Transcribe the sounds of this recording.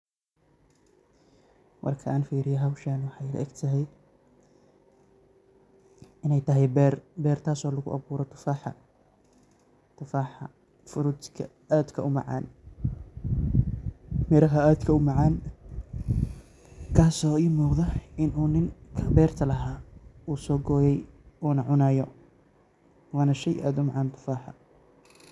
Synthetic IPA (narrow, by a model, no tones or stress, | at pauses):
wʔɑ̰rkʰɐʔaːnfiːɾɪjɐɦɐwʃaːnwɑħɑjlɐ̰ʔɛ̰ɡt̪ʰɐɦɛj | ɪnɛjt̪ʰɐɦɛjbɛrbɛːrt̪ʰaːsɔːlɐɣʊ̰ʔɐ̰βuːɾɔt̪ʰʊ̥faːħɑ̰ | t̪ʰʊfaːħɑ̰ | fʊɾʊt̪kʰɐ | aːd̪kʰɐʔʊmɑ̰ʕɑ̰ːn | mɛɾɐɦɐaːd̪kʰɐʊmɑʕɑːn | kʰaːsɔːimɔːðɐɪnuːnɪŋkʰɐbɛːrt̪ʰɐlɐɦaːuːsɔːɡɔːjɛjɔːnɐʕʊnaːjɔ | waːnɐʃɛjʔa̰ːd̪ʊmɑʕɑːnt̪ʰʊ̥faːħɑ̰